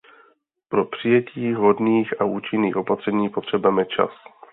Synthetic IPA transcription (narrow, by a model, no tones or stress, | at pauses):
pɾo̞pr̝̥ɪjɛciːɦo̞dniːxauːt͡ʃɪnːiːxʔo̞pat̪r̥ɛɲiːpo̞t̪r̝̥ɛbamɛt͡ʃa̰s